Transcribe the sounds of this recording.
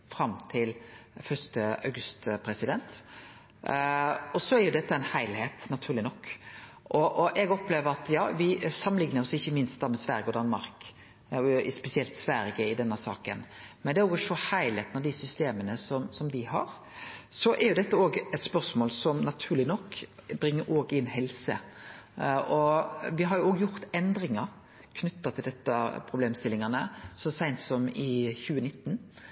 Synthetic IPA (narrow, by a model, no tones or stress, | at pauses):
fɾɑmt̪ʰɪlfœʂt̪əɑ̰ʉɡʉst̪pʰɾɛsɪd̪ɛnt̪ | ɔsɔæɾjʊd̪ɛt̪ːəɪnhæɪlheːt̪nɑt̪ʰʉːɾlɪnɔkː | ʔɔʔɔʔɛɡɔpleːʋəɾɑt̪jɑːʋɪsɑmːənlɪŋnəɾɔsɪçːəmɪnst̪d̪ɑmɛsʋæɾjəɔd̪ɑnmɑɾk | ɪspɛsɪɛlt̪sʋæɾjəɪd̪ɛnːəsɑ̰ːkə̰nmɛnd̪ɛæɾoːɡʂɔhæɪleːt̪nɑʋd̪ɪsʏst̪eːmənəsɔmsɔmd̪ɪhɑɾ | sɔʔɛɾjʊd̪ɛt̪ːəoːɡɛt̪spœɾsmoːlsɔmnɑt̪ʰʉːɾlɪnɔkːbɾɪŋːəɾʔoːɡɪnːhɛlsə̰ | ʔɔʋɪɦɑɾjʊoːɡjʊɾt̪ɛnd̪ɾɪŋɑɾ | kʰnʏt̪ːɑt̪ʰɪld̪ɛt̪ːəpʰɾʊbleːmst̪ɪlɪŋɑnəsɔsæɪnt̪sɔmɪçʉːənɪt̪ːn